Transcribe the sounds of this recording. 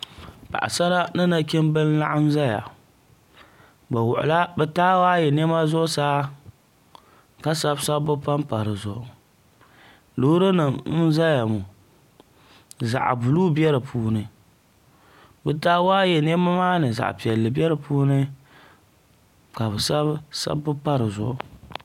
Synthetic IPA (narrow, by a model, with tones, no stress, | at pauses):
pa̰˨ʔa̰˨sa˦ɾa˦nɨ˦na˦kʲɪ˦mbɨ˦n˦la̰˦ʔa˦n̩˦za˦ja̰˨ | ba˨wʊ̰˨ʔʊ̰˨la˦bɛ˦taː˦waː˦jɛ˨nɛ˦ma˦zʊ˦ʔʊ˦saː˦ | ka˦sa˦bsa˦bʊ˦pa˦mpa˨ɾɨ˨zʊ˨ʔʊ̰˨ | loː˦ɾɨ˦nɨ˨n̩˦za˦ja˨mu˨ | za̰˨ʔbʊ˨lu˦bɛ˦ɾɨ˨pʰuː˦nɨ˨ | bɛ˦taː˦waː˦jɛ˨nɛ˦ma˦maː˦nɨ˨za̰˨ʔpi˨ɛ˨lːɨ˨bɛ˦ɾɨ˨puː˦nɨ˦ | ka˨bɨ˨sa˦bsa̰˦bːɨ˦pa˦ɾɨ˨zʊ̰˨ʔʊ˨